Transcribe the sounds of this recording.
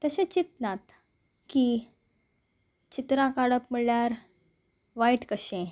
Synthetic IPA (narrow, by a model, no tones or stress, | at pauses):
t̪əɕẽt͡ɕit̪nat̪ | ki | t͡ɕit̪ɾãkaɽəpmiɭɭjaɾ | ʋaiʈkəɕẽ